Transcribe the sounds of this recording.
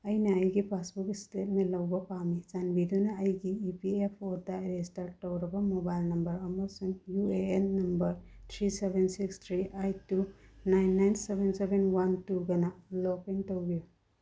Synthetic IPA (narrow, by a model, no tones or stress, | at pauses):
ɐjnaːjɡipʰasbukistet̚melɐwbɐpamizanbid̪unaːjɡiːpiepʰɔdaɾestaɾtːɔwɾɐbɐmɔbajlnɐmbɐɾɐmɔsuŋjueenːɐmbɐɾt̪ʰɾisebʱensikst̪ʰɾiʔajtunajnːajnsebensebenwantuɡɐnalɔkeŋtɔwbiju